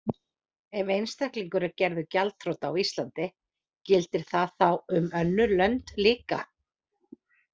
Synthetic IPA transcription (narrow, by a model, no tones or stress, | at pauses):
ɛvejnst̪ahkliŋkʏɾacɛɾðʏcalt̪θɾowt̪awist̪lant̪ɪ | cɪlt̪ɪɾ̥θaðθawʏmœnːʏlœnt̪liːka̰